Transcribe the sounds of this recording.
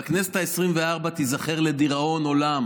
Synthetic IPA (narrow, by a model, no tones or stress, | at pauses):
aknese̥t̪aesʁimveaʁbat̪izaχeʁle̞d̪iʁao̞no̞lam